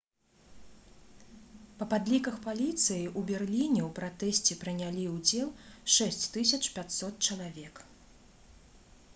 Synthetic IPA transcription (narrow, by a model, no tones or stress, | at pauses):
pɐpad̪lʲikɐxpalʲit̪sɨjiʔubʲɛrlʲinʲɛwpɾat̪ɛsʲt͡sʲɛpɾɨnʲalʲiwd͡zʲɛlˠʂɛsʲt͡sʲt̪ɨsʲɐt͡ʂpʲat̪sɔt̪̚t͡ʂɐlˠavʲɛk